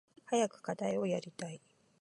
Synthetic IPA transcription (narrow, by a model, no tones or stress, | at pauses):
hajakɯ̟̥kad̪aio̞jaɾʲit̪ai